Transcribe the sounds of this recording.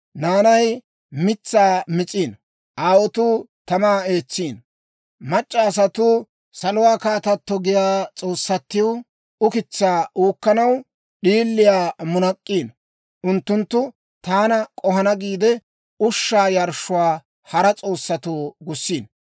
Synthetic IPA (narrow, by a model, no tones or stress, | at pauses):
naːnɐj | mɪt͡sːaːmɪt͡sʼiːn | ʔaːwɔt̪uːt̪ɐmaːe̞ːt͡sːiːn | mɐt͡ʃʼːɐːs̬ɐt̪uː | sɐlʊwaːkaːt̪ɐt̪ːɔɡɪjaːt͡sʼo̞ːsːɐt̪ːɪjwʊ | ʊkɪt͡sːaːʔuːkːɐnɐw | ɗiːlːɪjaːmʊnɐkʼːiːn | ʔʊnt̪ːʊnt̪ːʊ | t̪aːnɐkʼɔhɐnɐɡiːd̪ɛ | ʊʃːaːjɐɾʃʊwaː | hɐɾɐt͡sʼo̞ːsːɐt̪uːɡʊsːiːn